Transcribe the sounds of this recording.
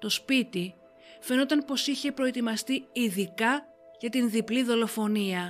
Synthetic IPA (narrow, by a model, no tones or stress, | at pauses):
t̪o̞spit̪i | fe̞no̞t̪ɐnpo̞siçe̞pɾo̞e̞t̪imɐst̪iiðikɐ | ʝɐt̪inðipliðo̞lo̞fo̞niɐ